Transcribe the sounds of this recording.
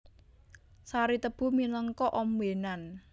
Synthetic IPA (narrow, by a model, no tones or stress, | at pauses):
saɾit̪əb̥ṳmiləŋkɔʔɔmwenan